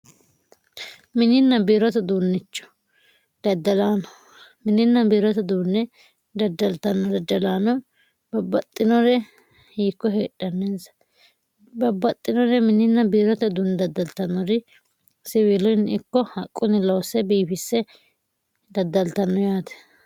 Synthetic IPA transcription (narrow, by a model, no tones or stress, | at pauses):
mɪnɪnːɐbiːɾɔt̪ɐd̪uːnːɪt͡ʃːɔ̥ | d̪̥ɐd̪ːɐlaːnɔ | mɪnɪnːɐbiːɾɔt̪ɐd̪uːnːɛ | d̪ɐd̪ːɐlt̪ɐnːɔd̪ɐd̪ːɐlaːnɔ | bɐbːɐt̪ʼːɪnɔɾɛ | hiːkːɔɦeːᶑʼːɐnːɛnzɐ̥ | bɐbːɐt̪ʼːɪnɔɾɛmɪnɪnːɐbiːɾɔt̪ɐd̪uːnːd̪ɐd̪ːɐlt̪ɐnːɔɾɪ | sɪwɪlɔjnɪkːɔhɐkʼːʊnɪlɐwsɛbiːfɪsɛ | d̪ɐd̪ːɐlt̪ɐnːɔjaːt̪ɛ̥